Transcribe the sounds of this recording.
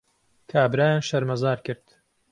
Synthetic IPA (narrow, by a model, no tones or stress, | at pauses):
kʰaːbɾaːjaːnʃɐɾmɐzaːɾkɨɾd̪̥